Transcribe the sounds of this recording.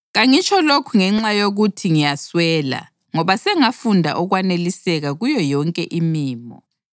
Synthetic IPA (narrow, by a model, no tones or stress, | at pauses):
ɣaŋit͡ʃʰʼɔlokʰuŋɛŋ͡ǁajoɣutʰiŋijaswɛːla̰ | ŋɔβasɛŋafundʱa̰ʔɔɣwanelisɛɣaɣujɔjɔŋkʼɛʔimiːmɔ̰